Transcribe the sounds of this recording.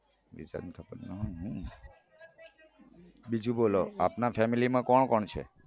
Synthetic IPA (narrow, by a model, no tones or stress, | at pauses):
ʋḭd͡ʒa̰nt̪ʰəkənnəɦɔɦũ | bid͡ʒũboloapnafɛmilimãkɔɳkɔɳt͡ʃʰḛ